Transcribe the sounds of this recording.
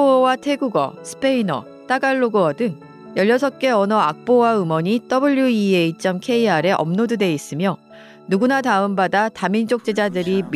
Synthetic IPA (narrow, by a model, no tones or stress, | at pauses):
watʰe̞ɡuɡʌ̰sʰɯ̥pʰe̞inʌ̰ | t͈aɡaɭːoɡoʌdɯŋ | jʌʎːʌs̬ʰʌk͈e̞ʌnʌak̚p͈owaɯmʌɲit͈ʌbɯʎːuieit͡ɕ͈ʌmkʰe̞iaɾe̞ʔʌ̰mnodude̞is͈ɯmjo | nuɡunataɯmbadatamind͡ʑok̚t͡ɕ͈e̞d͡ʑadɯɾim